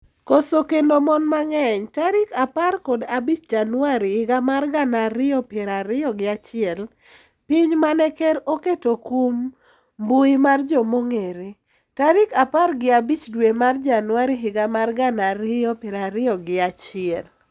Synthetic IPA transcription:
kosokendomɔnmaŋɛɲtaɾɪkaparkɔdabit͡ʃd͡ʒanwaɾɪhɪɡamarɡanaɾɪɔpɪɛɾaɾɪɔɡɪat͡ʃɪɛl | pɪɲmanɛkɛɾoketokum | buimard͡ʒɔmoŋeɾi | taɾɪkaparɡɪabit͡ʃdwemard͡ʒanwaɾɪɦɪɡamarɡanaɾɪɔpjɛɾaɾɪɔɡɪat͡ʃɪɛl

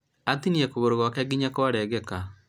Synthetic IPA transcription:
atiniɛkoβoɾoɣwakɛɡiɲakoaɾɛɣɛka

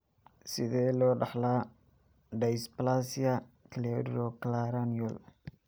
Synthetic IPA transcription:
sɪðɛːlɔːɖɑħlaː | ɖɛjsplasjɐkʰlɛdɾɔklaɾaniɔl

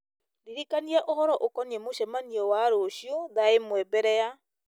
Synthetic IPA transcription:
ɾiɾikaniɛʔohɔɾɔʔokɔniemoʃɛmaniewaɾoʃjoðaemwɛbɛɾɛja

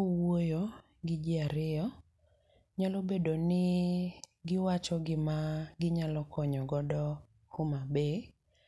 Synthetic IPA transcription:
wojo | ɡɪd͡ʒiaɾɪjɔ | ɲalobedonɪ | ɡɪwat͡ʃɔɡɪmaɡɪɲalɔkʰɔɲɔɡɔdɔ | hʊmabe

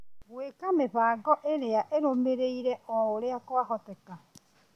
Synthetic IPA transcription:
βwekameβaːɡɔʔeɾeaʔeɾomeɾeiɾɛʔɔoɾeakoaɦɔtɛka

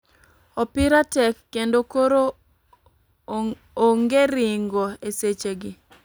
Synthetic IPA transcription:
ɔpɪɾatɛkːendokoɾo | oŋɡeɾɪŋɡoeset͡ʃeɡɪ

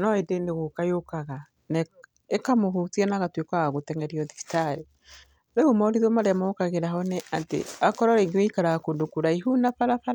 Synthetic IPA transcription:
nɔedeneɣokajokaɣa | nɛ | ekamoɦutianaɣatwekwaɣaɣotɛŋɛɾiɔðisi̥taɾe | ɾeumɔoɾiðomaɾeamɔkaɣeɾaɦɔnɛatḛakɔɾɔɾeŋɡeweikaɾaɣakondokuɾaiɦunafaɾafaɾa

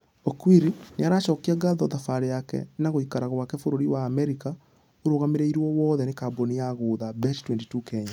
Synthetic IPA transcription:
okwiɾineaɾaʃɔkiɛɡaðɔðafaɾejakɛ̰naɣoikaɾaɣwakɛfoɾoɾiwaːmɛɾika | oɾoɣameɾeiɾwɔwɔːðɛnekabonijaɣoːðabɛttwɛntitukɛɲa

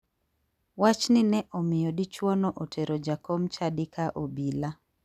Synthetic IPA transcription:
wat͡ʃnɪnɛʔɔmɪjɔdit͡ʃwɔnɔʔotʰeɾod͡ʒakɔmt͡ʃadɪkʰaʔobila

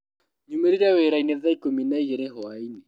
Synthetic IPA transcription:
ɲumɛɾiɾawɛɾainɛðaikominaiɣɛɾɛɦɔainɛ

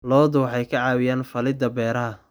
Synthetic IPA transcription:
lɔːðʊwɑħɑjkʰɐʕɑːwɪjaːnfɐlɪd̪ɐbɛːɾɐɦɐ

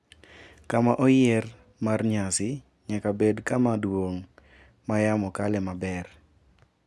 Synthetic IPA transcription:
kamaʔɔjɛr | marɲasɪ | ɲakabedkamadwoŋ | majamɔkalɛmabɛr

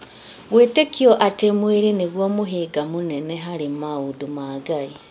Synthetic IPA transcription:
ɣweːtekioʔatemweɾineɣwomuɦeɡamuneneɦaɾimaudumaɡai

